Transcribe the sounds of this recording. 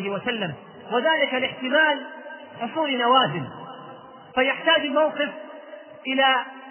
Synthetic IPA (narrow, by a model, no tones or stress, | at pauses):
hɪwasalːam | waðaːlɪkalɪħt̪ɪmaːl | ħʊsˤuːlnawaːzɪm | fajaħt̪aːd͡ʒalmawqɨf | ʔɪlaː